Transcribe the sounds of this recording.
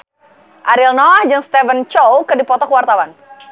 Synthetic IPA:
ʔaɾilnɔahd͡ʒɨŋst̪ɛvənt͡ʃowkɨdipɔt̪ɔkwart̪awan

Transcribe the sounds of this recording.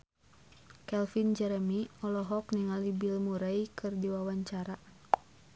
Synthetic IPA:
kɛlfind͡ʒɛɾɛmiɔlɔɦɔkniŋalibilmuɾaikɨrdiwawaɲt͡ʃaɾa

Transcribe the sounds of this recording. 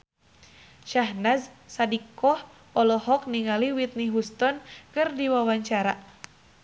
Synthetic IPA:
ʃaɦnazsadikɔh | ɔlɔɦɔk̚niŋaliwit̪̚niɦust̪ɔnkɨrdiwawaɲt͡ʃaɾa

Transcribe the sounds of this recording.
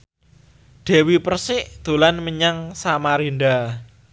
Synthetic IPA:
ɖ̪̥ɛ̤wipərsɪʔd̪̥o̤lanməɲaŋsamaɾinɖa

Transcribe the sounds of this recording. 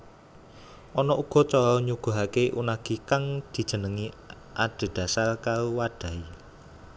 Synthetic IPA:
ʔɔnɔʔuɡ̥ɔ̤t͡ʃɔɾɔɲuɡ̥a̤ɦakeʔunaɡ̥i̤kaŋd̪̥i̤d̥ʒ̥ə̤nəŋi | ʔaɖ̥e̤d̪̥ä̤salkaɾuwaɖ̥a̤i

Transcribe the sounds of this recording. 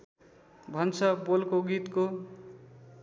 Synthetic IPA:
bʱʌnt͡sʰʌbolkoɡit̪ko

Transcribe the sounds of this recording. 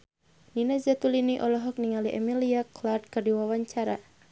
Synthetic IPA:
ninazat̪uliniʔɔlɔɦɔk̚niŋaliʔɛ̰miliaklard̪̚kɨrdiwawaɲt͡ʃaɾa

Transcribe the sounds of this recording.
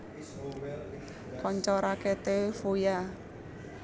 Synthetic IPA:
kɔɲt͡ʃɔɾaket̪efoja

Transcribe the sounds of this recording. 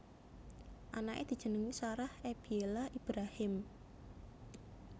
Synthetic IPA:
ʔanaʔḛd̪̥i̤dʒ̥ə̤nəŋisoɾaheb̥ielaʔib̥ɾahɪm

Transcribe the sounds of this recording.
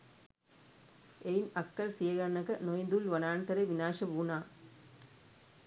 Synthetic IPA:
eɪnɐkːɐlsijɐɣɐnɐɣɐnojnd̪ulʋɐnaːɳt̪ɐɾɐɪʋɪnaːʂɐbuːnaː

